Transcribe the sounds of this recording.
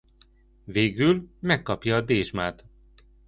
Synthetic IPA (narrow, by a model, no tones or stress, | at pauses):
veːɡylmɛkːɒpjɒːd̪eːʒmaːt̪